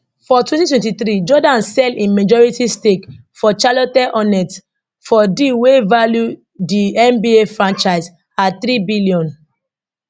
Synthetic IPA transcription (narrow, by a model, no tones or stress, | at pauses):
fɔtwɛ̃ntitwɛ̃ntit̪ɾid͡ʒɔdãnsɛlĩnmed͡ʒɔɹitistek | fɔt͡ʃalɔtɛʔɔnɛt | fɔdiwevalju | diɛ̃mbiefɹãnt͡ʃaɪz | at̪ɾibiliɔ̃n